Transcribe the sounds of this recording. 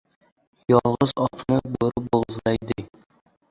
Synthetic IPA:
jɒlˠʁɤzɒqnɤbŏɾɤboʁɤ̆zlˠɑid̪ɘ

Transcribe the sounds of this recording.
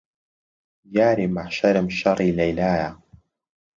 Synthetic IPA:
jaːɾimaħʃaɾəmʃɑɾˤiːlajlaːja

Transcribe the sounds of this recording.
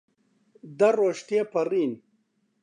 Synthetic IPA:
d̪ɐɾoːʂt̪jepɐɾiːn

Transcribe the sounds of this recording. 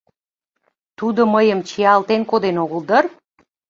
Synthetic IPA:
t̪ud̪oməjəmt͡ɕiɑlt̪enkod̪enoɣəld̪ər

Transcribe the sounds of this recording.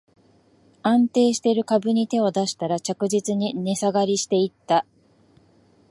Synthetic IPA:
ãnt̪e̞ːɕi̥t̪e̞ɾɯ̟kabɯ̟ɲ̟it̪e̞o̞d̪aɕi̥t̪aɾat͡ɕakɯ̟ʑit͡sɨɲ̟ine̞saɡaɾʲiɕi̥t̪e̞it̪ːa

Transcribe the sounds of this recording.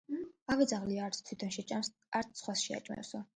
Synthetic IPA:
avɛd̪zaʁliaːɾt̪sʰt̪ʰwit̪ʰɔnʃɛt͡ʃʼams | aɾt̪ʰsχwasʃia̰t͡ʃʼmɛ̰sɔ

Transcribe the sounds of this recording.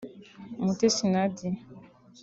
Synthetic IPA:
mutesinadi

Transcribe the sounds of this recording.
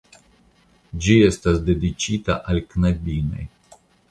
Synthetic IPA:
d͡ʒie̞stasde̞dit͡ʃitaʔalknadino̞̰j

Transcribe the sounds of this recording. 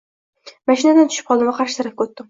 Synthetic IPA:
maʃɪnad̪ant̪ʰʊ̥ʃɪ̥p̚qɒlˠɪmvaqʰɑɾʃɪt̪ʰaɾap̚kʰʲɵt̪ːɪm

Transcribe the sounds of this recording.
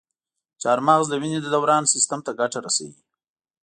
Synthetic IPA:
t͡ʃɑɾmɑɣzd̪əwined̪əd̪awɾɑnsɪst̪amt̪aɡaʈaɾasa̰wḭ

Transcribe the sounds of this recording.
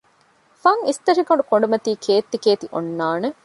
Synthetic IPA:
fɐŋist̪ɐʂikoɳɖukoɳɖumɐt̪iːkʰeːt̪ːikeːt̪iʔonːaːne

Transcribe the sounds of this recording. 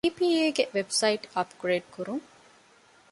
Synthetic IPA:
iːpiːeːɡeʋebsɐiʈɐpɡ̥ɾeːɖ̚kuɾuŋ

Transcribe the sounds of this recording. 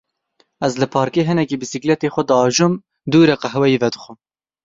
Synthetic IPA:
ɛzlɨpʰɑːɾkeːɦɨnɛkibɨsiklɛt̪eːxʷɛd̪ɑːʒum | d̪uːɾɛqɐɦwɛjivɛd̪ɨxʷɨm

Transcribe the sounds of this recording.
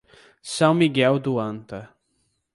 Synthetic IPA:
sɐ̃w̃miɡɛwd̪uɐ̃nt̪ɐ

